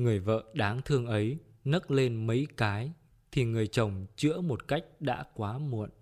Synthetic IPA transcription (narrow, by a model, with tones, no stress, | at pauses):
ŋɨ˨˩əjvə̰ː˧˨ɗaː˨˦ŋt̪ʰɨ˧əŋʔə˨˦j | nə˦˥k̚le˧nmə˨˦jkaː˨˦j | t̪ʰi˨˩ŋɨ˨˩əjt͡ɕə˨˩wŋ͡mt͡ɕɨ̰˧˥əmo˨˩t̚ka˦˥jk̟̚ɗa̰ː˧˥kwaː˨˦mṵ˧˩˨ən